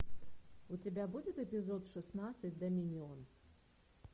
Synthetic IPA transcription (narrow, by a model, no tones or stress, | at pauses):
ʊtʲɪbʲabud͡zʲɪt̪ɛpʲɪzɔt̪ʂɨsnat̪sɨtʲd̪ɐmʲinʲɪɔn